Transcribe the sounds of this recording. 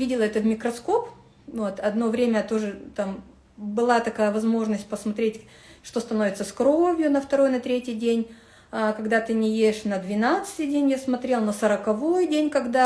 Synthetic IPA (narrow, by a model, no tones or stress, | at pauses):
vʲidʲɪlˠəɛt̪əvmʲɪkɾɐsko̞p | vot̪ɐd̪no̞vɾʲemʲət̪o̞ʐɨt̪am | bɨlˠat̪ɐkajəvɐzmo̞ʐnəsʲt̚ʲpəsmɐt̪ɾʲetʲ | ʂt̪o̞st̪ɐno̞vʲɪt̪səskɾo̞vʲjʊnəft̪ɐɾo̞jnɐt̪ɾʲetʲɪjdʲenʲ | akɐɡd̪at̪ɨnʲɪjedʲɪʂnəd̪vʲɪnat̪sɨ̥t̪ʲɨjdʲenʲjasmɐt̪ɾʲe̞lˠnosəɾəkɐvo̞jdʲenʲkɐɡd̪a